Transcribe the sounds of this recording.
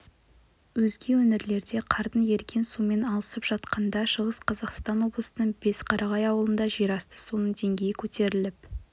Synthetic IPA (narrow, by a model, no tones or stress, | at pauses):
wɵzɡʲe̞wɵnɪɾle̞ɾd̪e̞qʰɑɾt̪ənje̞ɾkʲʰe̞nsume̞nɑlˠəsəpʒ̥ɑt̪qɑnd̪ɑʃəʁəsqʰɑzɑqst̪ɑnwo̞blˠəsənəɴbe̞sqʰɑɾʔɑʁɑjɑwəlˠənd̪ɑʒijɾɑst̪ə̥sunəɴd̪e̞ŋɡʲe̞jɪkʲʰɵt̪e̞ɾɪlɪp